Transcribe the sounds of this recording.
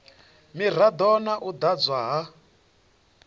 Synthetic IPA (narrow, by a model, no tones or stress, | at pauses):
mir̤ad̪ɔnaʔud̪ad͡zwaɦa